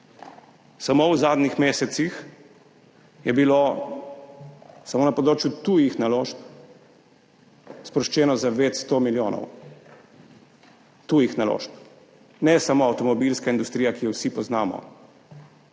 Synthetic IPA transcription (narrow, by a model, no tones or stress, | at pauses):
samowzaːd̪nixmeːsɛt̪six | jɛbilo | samoːnɐpɔd̪ɾoːt͡ʃjut̪uːjixnaloːʃp | spɾɔʃt͡ʃɛːnɔzaʋeːt̪st̪omiljoːnɔ̰w | t̪uːjixnalo̰ʃp | nɛsamoɐwt̪ɔmɔbilskaind̪ust̪ɾijakijɛwsipɔznaːmɔ̰